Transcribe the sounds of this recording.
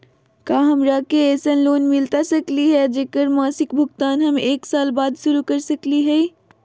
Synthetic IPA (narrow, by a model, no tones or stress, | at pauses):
kaːɦɐmɾaːkeeːsənloːnmɪlt̪asɐkliɦɛd͡ʒekəɾmaːsɪkbʱʊɡt̪aːnɦɐmeːksaːlbaːd̪ʃʊɾukɐɾsɐkliɦɛː